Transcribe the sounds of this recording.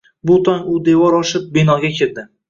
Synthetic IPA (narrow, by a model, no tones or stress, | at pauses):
bʊt̪ʰɒŋʊd̪e̞vɒɾɒʃɪp̚benɒɡʲakʲʰeld̪ɪ